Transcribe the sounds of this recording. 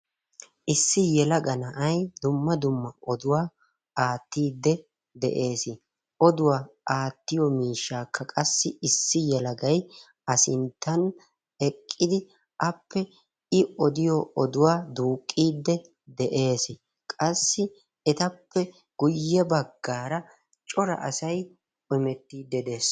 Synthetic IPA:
ʔɪsːɪjɛlɐɡɐnɐʔɐjd̪ʊmːɐd̪ʊmːɐɔd̪ʊwaː | aːt̪ːiːd̪ːɛ | d̪ɛ̰ʔe̞ːsɪ | ʔɔd̪ʊwaːʔaːt̪ːɪjɔmiːʃːaːkʰːɐkʼɐsːɪʔɪsːɪjɛlɐɡɐj | ɐsɪnt̪ːɐn | ɛkʼːɪd̪ɪ | ʔɐpʰːɛ | ɪɔd̪ɪjɔɔd̪ʊwaːd̪uːkʼːiːd̪ːɛ | d̪ɛʔe̞ːs | kʼɐsːɪ | ɛt̪ɐpʰːɛ | ɡ̥ʊjːɛbɐɡːaːɾɐ | t͡ʃʼɔɾɐ̰ʔɐsɐjʼ | ɔmɛt̪ːiːd̪ːɛd̪e̞ːs

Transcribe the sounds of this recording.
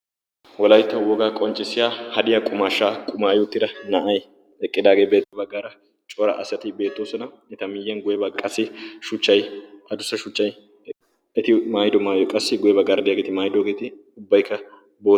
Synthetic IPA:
wɔlɐjt̪ːɐwɔɡaːkʼɔnt͡ʃʼːɪsɪjaːhɐd̪ɪjakʼʊmaːʃːaːkʼʊmaːjʊːt̪ːɪd̪ɐnɐʔɐj | ɛkʼːɪd̪aːɡeːbe̞ːt̪ːɐbɐɡːaːɾɐ | t͡ʃʼɔɾɐ̰ʔɐsɐt̪ɪbe̞ːt̪ːoːsɔnɐ | ɪt̪ɐmɪjːɛnɡʊjɛbɐkʼːɐsɪʃʊt͡ʃːɐjɐd̪ʊsɐʃʊt͡ʃːɐj | ɛt̪ɪmaːjd̪ɔmaːjɔkʼɐsːɪɡʊjɛbɐɡɐɾd̪ɪjaɡeːt̪ɪmaːjd̪oːɡeːt̪ɪ | ʊbːɐjkʰːɐ | bo̞ː

